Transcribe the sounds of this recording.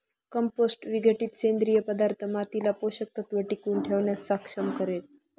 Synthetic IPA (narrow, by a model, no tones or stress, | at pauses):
kəmposʈʋiɡʱəʈiːt̪send̪ɾijəpəd̪aɾt̪ʰəmat̪ilapoɕək̚t̪ʰət̪ʋəʈikuːɳʈʰeʋɳjasːakʂəmkəɾel